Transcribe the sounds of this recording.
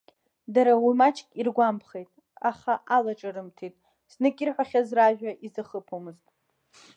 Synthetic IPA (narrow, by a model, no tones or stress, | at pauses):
daɾawimat͡ʃʰkʲʼirɡʷampʰχejtʼ | aχaʔalaʈ͡ʂʼaɾɨmtʰetʼ | snɨkʲʼirħʷᶣaχʲazraʒᶣaʔizaχəpʰomɨztʼ